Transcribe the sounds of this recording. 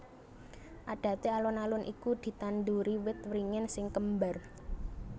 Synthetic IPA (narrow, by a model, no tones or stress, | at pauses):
ʔaɖ̥a̤t̪ealɔnalʊnʔḭkud̪̥i̤t̪and̪uɾiwɪt̪wɾiŋɪnsɪŋkəmbar